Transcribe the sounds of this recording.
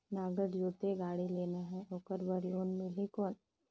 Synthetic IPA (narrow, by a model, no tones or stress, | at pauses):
naːɡəʈd͡ʒoːt̪eɡaːɽileːnaɦɛ̃oːkəɾbəɾjoːnmɪlikoːn